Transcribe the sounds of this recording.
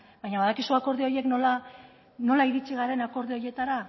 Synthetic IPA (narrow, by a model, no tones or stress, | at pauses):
bajɲaβaðakisuako̞ɾðeo̞je̞kno̞la | no̞laiɾit͡siɣaɾe̞nako̞ɾðeo̞je̞t̪aɾa